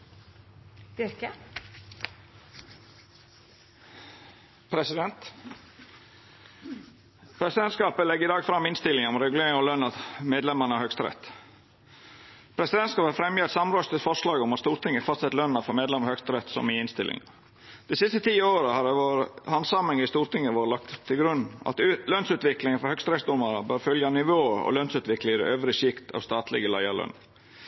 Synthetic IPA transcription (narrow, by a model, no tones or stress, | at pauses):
k | pʰɾɛsɪd̪ɛnt̪ | pʰɾɛsɪd̪ɛnt̪skɑːpəlɛɡəɪd̪ɑːɡfɾɑmːɪnst̪ɪlːɪŋɑɔɾɛɡʉleːɾɪŋɔlœnːɑt̪meːd̪lɛməɳəæɾhœkst̪ɾɛ̰t̪ː | pʰɾɛsɪd̪ɛnt̪skɑːphɑfɾɛmjət̪sɑmɾɔːst̪əfɔʂlɑːɡɔmɑt̪st̪uːɾt̪ɪŋːəfɑst̪sɛt̪lœnːɑfɔɾmeːd̪lɛməɾhœkst̪ɾɛt̪ːsɔ̰mɪɪnst̪ɪ̰lʔɪ̰ŋɑ | d̪ɛsɪst̪ət̪ʰiːoːɾəhɑd̪ɛʋoːɾəhɑnsɑmɛŋɪst̪uːɾt̪ʰɪŋːəʋoːɾəlɑk̚t̪ʰːɪlɡɾʉnːɑ̰t̪lœnsʉːt̪ʋɪklɪŋənfɔɾhœkst̪ɾɛsd̪ɔməɾəbœɾfœljɑnɪʋoːəɔ̰lœnsʉːt̪ʋɪklɪŋəd̪ɛ̰øːʋɾɪʂɪkt̪ʰɑ̰ːʋst̪ɑːt̪lɪ̰ɡəlæɪɑlœ̰nː